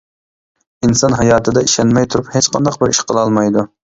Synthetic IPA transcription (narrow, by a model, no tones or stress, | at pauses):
insɑnɦɑjɑːt̪ʰɨd̪ɛiʃɛnmɛjt̪ʰuɾuphet͡ʃqʰɑnd̪ɑq̚bɪɾiʃqʰəlˠɑlˠmɑjd̪u